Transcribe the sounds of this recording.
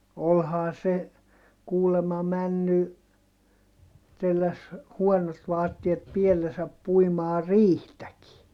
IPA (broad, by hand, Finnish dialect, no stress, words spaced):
olhɑː se kuːlemɑ mænːy telːæs huɔnot ʋɑːtːiet pielːesæp puimɑː riːhtæki